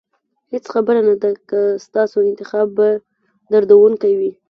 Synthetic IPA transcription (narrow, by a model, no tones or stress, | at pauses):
het͡sxabəɾanad̪akast̪ɑsoɪnt̪ɪxɑba | d̪aɾd̪awunkajwi